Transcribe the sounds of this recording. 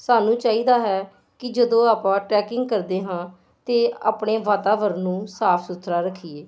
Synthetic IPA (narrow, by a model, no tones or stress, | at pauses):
saːnũːt͡ʃaːiːd̪aːɦɛː | kɪd͡ʒəd̪õːaːpãːʈɾɛːkɪŋɡkəɾd̪eːɦãː | t̪eːa̰ːpɳeːʋaːt̪aːʋəɾnũːsaːpʰsʊt̪ʰːɾaːɾəkʰiːeː